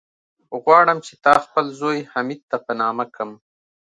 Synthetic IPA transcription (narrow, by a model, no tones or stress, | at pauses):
ɣwɑɽəmt͡ʃe̥t̪ɑxpəlzojhamid̪̚t̪apənɑːmakʰəm